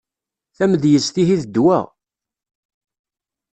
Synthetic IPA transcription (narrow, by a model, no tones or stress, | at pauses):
θæmðjəstθiθiðəd̪ːwæ̰ʁ